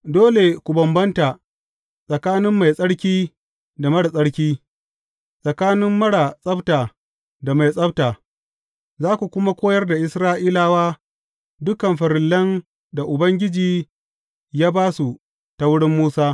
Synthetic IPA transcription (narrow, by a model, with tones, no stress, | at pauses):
doː˦le˨kʷu˨bɐ˨mbɐ˦nta˨ | sʼɐ˨kaː˦nɪ˦mːa˨jsʼɐ˦ɽkʲiː˦ | da˨mɐ˦ɽa˨sʼɐ˦ɽkʲiː˦ | sʼɐ˨kaː˦nɪ˦mːɐ˦ɽa˨sʼɐ˦btaː˨ | da˨ma˨jsʼɐ˦btaː˨ | zaː˦kʷu˨kʷʊ˦ma˦kʷoː˦jɐ˦rda˨ʔɪ˦sɾaː˦ʔiː˦laː˦waː˦ | dʊ˦kɐ˨mɸɐ˨ɾɪ˨lːɐ˦n | da˨ʔʊ˨bɐ˦ŋɡʲɪ˦d͡ʒiː˨ | jaː˦baː˦su˨ | ta˨wʊ˦ɽɪ˦mːuː˦saː˦